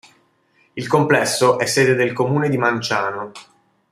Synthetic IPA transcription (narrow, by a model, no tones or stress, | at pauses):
ilkomplɛsːoʔɛsːeːd̪ed̪elkomuːned̪imant͡ʃaːno